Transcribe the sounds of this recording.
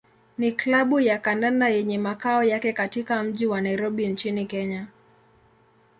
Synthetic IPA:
niklaɓujakandandajɛɲɛmakaɔjakɛkatikam̩ʄiwanaiɾɔɓint͡ʃinikɛɲa

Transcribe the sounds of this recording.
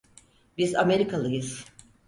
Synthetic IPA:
bizame̞ɾikʰalˠɯjɯz̥

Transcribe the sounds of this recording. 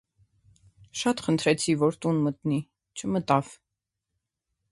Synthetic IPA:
ʃɑt̪χənt̪ʰɾɛt͡sʰivɔɾt̪unmət̪ni | t͡ʃʰəmət̪ɑv̥

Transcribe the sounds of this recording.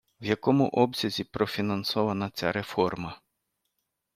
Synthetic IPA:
wjɐkɔmʊ̰ʔɔbsʲɐzʲipɾɔfʲinɐnsɔʋɐnɐt͡sʲa̰ɾefɔrmɐ

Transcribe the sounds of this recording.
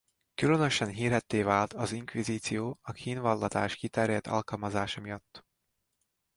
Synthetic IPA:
kylønøʃɛnɦiːrɦɛt̪ːeːvaːlt̪ɒziŋkʋiziːt̪sijoːɒkʰiːnvɒlːɒt̪a̰ːʃkit̪ɛɾjɛt̪ʰɒ̰lkɒlmɒzaːʃɒmijɒt̪ː

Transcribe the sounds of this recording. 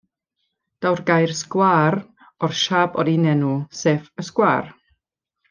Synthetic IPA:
d̥awrɡajrskwaːr | ɔrʃabɔɾinɛnusefəskwaːr

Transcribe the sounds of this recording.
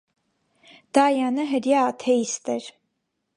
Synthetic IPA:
d̪̥ɑjɑnəɦəɾjɑːt̪ʰɛist̪ɛɾ

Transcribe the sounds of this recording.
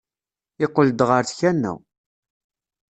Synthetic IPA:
ɪqːəld̪ʁəɾθçænːæ̰w

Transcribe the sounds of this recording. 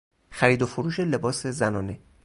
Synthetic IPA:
xæɾiːd̪ofoɾuːʃe̞le̞bɒːse̞zænɒːne̞

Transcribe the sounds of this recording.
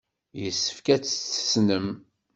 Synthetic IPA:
jəsːə̥fkæt͡sːθə̥snəm

